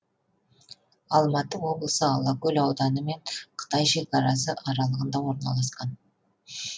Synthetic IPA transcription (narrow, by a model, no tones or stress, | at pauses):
ɑlˠmɑt̪əwo̞blˠəsəɑlˠɑkʲɵlɑwd̪ɑnəme̞ɴqʰə̥t̪ɑjʃe̞kɑɾɑs̬əʔɑɾɑlˠəʁənd̪ɑwo̞ɾnɑ̰lˠɑsqɑn